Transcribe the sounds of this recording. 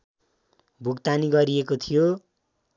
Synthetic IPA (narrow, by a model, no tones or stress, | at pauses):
bʱukt̪aniɡʌɾiekot̪ʰijo